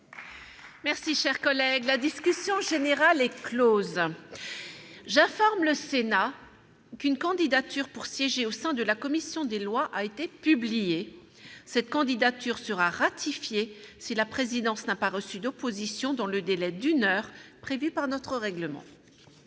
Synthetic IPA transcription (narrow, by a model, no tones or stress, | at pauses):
mɛʁsiʃɛʁkɔlɛɡlad̪iskʲysjɔ̃ʒeneʁalɛkloz | ʒɛ̃fɔʁmləsena | kynkɑ̃d̪id̪at̪yʁpuʁsjɛʒeosɛ̃d̪əlakɔmisjɔ̃d̪elwaʔaet̪epyblije | sɛt̪̚kɑ̃d̪id̪at̪yʁsəʁaʁat̪ʰifjesilapχezid̪ɑ̃snapaʁəsyd̪ɔpozisjɔ̃d̪ɑ̃ləd̪elɛd̪ynœʁpχevypaʁnɔt̪χəʁɛɡləmɑ̰̃